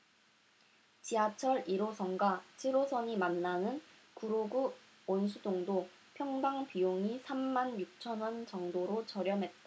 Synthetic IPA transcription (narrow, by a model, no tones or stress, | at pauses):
t͡ɕiat͡ɕʰʌɾiɾosʰʌnɡat͡ɕʰiɾosʰʌɲimanːanɯn | kuɾoɡu | ons̬ʰudoŋdo | pʰjʌŋdaŋpijoŋisʰamːanjuk̚t͡ɕʰʌnɦwʌnt͡ɕʌŋdoɾot͡ɕʌɾjʌmɦe̞t̚t͈a